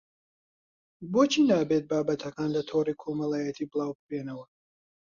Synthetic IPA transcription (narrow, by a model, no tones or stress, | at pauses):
boːt͡ʃʰiːnaːbeːt̪̚baːbɐt̪ʰɐkaːnlɐt̪ʰoːriːkʰomɐlaːjɐt̪ʰiːbɨlˠaːwbɨpeːnɐwɐ